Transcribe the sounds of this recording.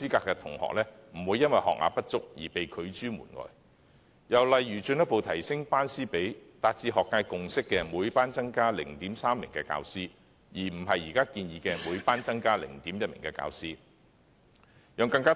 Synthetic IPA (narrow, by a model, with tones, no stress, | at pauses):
siː˥kaː˧kːɛ˧t̪ʰʊ̰˨˩ŋhɔ̰ː˨k̚lɛː˥m̩˨˩wuː˨˧jːɐ˥nwɐ˨jhɔ̰˨k̚la̰˨pːɐ˥t̚t͡sʊ˥k̚jiː˨˩pe˨jkʰɵ˨˧ɥt͡ʃyː˥mṵː˨˩nŋɔ̰ː˨j | jɐ˨˩wlɐ˨jɥyː˨˩t͡ʃɵ˧njɐ˥t̚po˨˧wt̪ʰɐ˨˩jsɪ˥ŋpaː˥nsiː˥pe˨˥jt̪aː˧t̚t͡siː˧ɦɔː˨kːaː˧jkʊ˨ŋsɪ˥kːɛː˧muː˨˧jpaː˥nt͡sɐ˥ŋkaː˥lɪ˨˩ŋt̪iː˨˥msaː˥mːɪ˨˩ŋkɛː˧ka̰ː˧wsiː˥ | jiː˨˩m̩˨˩ɦɐ˨jːiː˨kaː˥kiː˧njiː˨˧kɛː˧muː˨˧jpaː˥nt͡sɐ˥ŋkaː˥lɪ̰˨˩ŋt̪iː˨˥mjɐ˥t̚mɪ̰˨˩ŋkɛː˧ka̰ː˧wsiː˥ | jœː˨˧ŋkɐ˧ŋkaː˥